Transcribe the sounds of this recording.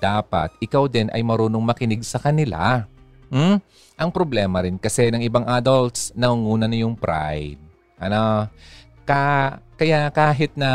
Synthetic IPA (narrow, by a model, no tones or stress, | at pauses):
d̪̥aːpɐ̰t̪̚ʔɪkawd̪ɪnʔɐ̰jmɐɾuːnoŋmɐkɪnɪɡ̚sɐkɐnɪla̰ | m̩ | ʔɐŋpɾoblɛːmɐɾɪnkɐsɛnɐŋɪbaŋʔaːd̪olt̪snɐŋuŋuːnɐnɐjʊŋpɾa̰jd̪̚ | ʔɐno | kakɐjaʔkaːɦɪt̪̚nɐ